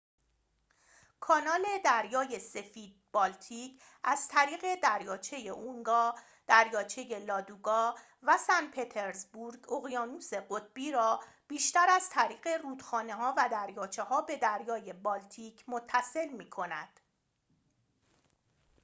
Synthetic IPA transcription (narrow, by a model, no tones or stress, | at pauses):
kʰɒːnɒːle̞d̪æɾjɒːje̞se̞fiːd̪̚bɒːlt̪ʰiːc | æz̥t̪ʰæɾiːɣe̞d̪æɾjɒːt͡ʃʰe̞je̞ʔuŋɡɒː | d̪̥æɾjɒːt͡ʃʰe̞je̞lɒːd̪uːɡɒː | væsænpʰet̪ʰe̞ɾzbuɾɡoɣjɒːnuːse̞ɢot̪̚ʰb̥iːɾɒː | b̥iːʃt̪æɾæzt̪ʰæɾiːɣe̞ruːd̪̥xɒːneɦɒːvæd̪æɾjɒːt͡ʃʰe̞ɦɒːbe̞d̪æɾjɒːje̞bɒːlt̪ʰiːcʰmot̪ʰːæse̞lmiːkʰo̞næ̰d̪̥